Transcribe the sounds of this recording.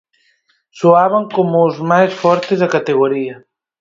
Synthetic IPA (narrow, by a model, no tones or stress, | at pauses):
soaβaŋkomuzmajsfɔɾt̪ezðɐkat̪eɣ̞oɾia